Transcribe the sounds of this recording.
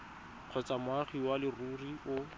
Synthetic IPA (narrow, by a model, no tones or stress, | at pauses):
q͡χʰɔt͡samʊaχiwalɪruriʊ